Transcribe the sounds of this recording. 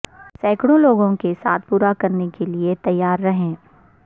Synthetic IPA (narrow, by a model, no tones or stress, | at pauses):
sɛːkɽõloːɡõkesa̰ːt̪̚ʰpuːɾakɐɾnekeliet̪ɐjːaːɾːɐɦẽː